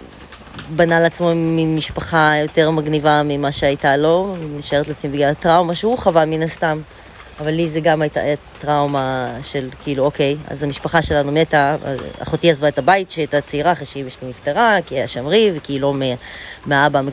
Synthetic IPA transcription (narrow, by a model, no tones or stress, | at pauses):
banaleat͡smominmiʃpaχajo̞te̞ʁmaɡnivamimaʃeajtalo̞niʃaeʁetleat͡smimbiɡlalatʁawmaʃehuχavaminast̪am | avalːizeɡamajta̰jatʁawmaʃelkiiluoke̞ja̰zamiʃpaχaʃe̞lanumeta̰a̰χotiazvaetabaitʃeajtat͡seiʁaχeʃiimiʃlimifteʁakiaʃamʁivekiːlomemeabame